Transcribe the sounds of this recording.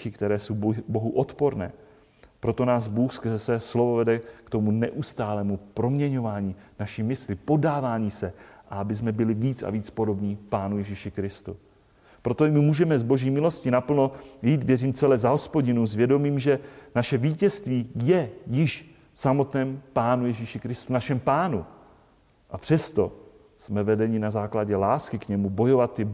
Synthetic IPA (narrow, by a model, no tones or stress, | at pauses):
xɪkt̪ɛɾɛːso̞wbo̞ɦuʔot̪po̞ɾnɛ̰ː | pɾo̞t̪o̞naːzbuːxskrzɛsɛːslovo̞vɛdɛkt̪o̞munɛ̰ʔust̪aːlɛːmupɾo̞mɲɛɲo̞vaːɲiːnaʃimɪslɪpo̞daːvaːɲiːsɛʔaabɪsmɛbɪlɪviːt͡sa̰viːt͡spo̞do̞bɲipaːnujɛʒiʃɪkɾɪst̪ṵ | pɾo̞t̪oɪmɪmuːʒɛmɛzbo̞ʒiːmɪlo̞scɪnapl̩no̞jiːt̪vjɛriːmt͡sɛlɛzaɦo̞spo̞ɟɪnuzvjɛdo̞miːmʒɛnaʃɛviːcɛst̪viːjɛjɪʃ | samo̞t̪nɛːmpaːnujɛʒiːʃɪkɾɪst̪unaʃɛmpaːnu | ʔapr̝̥ɛst̪o̞ | smɛvɛdɛɲɪnazaːklaɟɛlaːskɪkɲɛmubo̞jo̞vat̪ːɪ